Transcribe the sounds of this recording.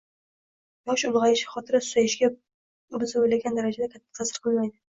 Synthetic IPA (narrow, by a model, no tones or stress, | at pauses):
jɒʃʊlˠʁɑjɪʃɪχɒt̪ʰɪɾasʊ̥sajɪʃɡʲa | bɪzɪbojlaɡʲand̪aɾad͡ʒad̪akʲʰat̪ʰːḁq̪ʰɑsɨɾqʰɨlˠmajd̪ɪ